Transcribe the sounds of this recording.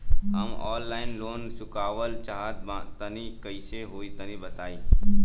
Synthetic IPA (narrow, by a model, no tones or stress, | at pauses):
ɦəmɔːlːaːɪnloːnsʊkaːʋəlt͡ʃaːɦət̪̚bãt̪ənikəɪseɦoːit̪ənibət̪aːi